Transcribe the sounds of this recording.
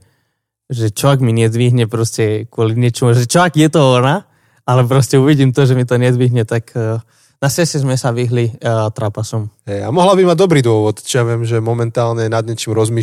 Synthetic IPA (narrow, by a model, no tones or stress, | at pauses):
ʒɛt͡ʃɔʋɛɡmiɲɪɛd̪ʋiːɦɲɛpɾɔscɛkwʊɔliɲɪɛt͡ʃɛmuʒɛt͡ʃɔakjɛt̪ɔɔna | alɛp̬ɾɔscɛuʋiɟiːmt̪ɔʒɛmit̪ɔɲɛd̪ʋiɦɲɛt̪akː | nasɛsɛzmɛsaʋiɦlit̪ɾapasɔmɦɛjamɔɦlabimad̪ɔbɾiːd̪ʊɔʋɔt̪t͡ʃɔjaʋɪɛmʒɛmɔmɛnt̪aːlɲɛnad̪ɲɛt͡ʃiːmɾɔzmiː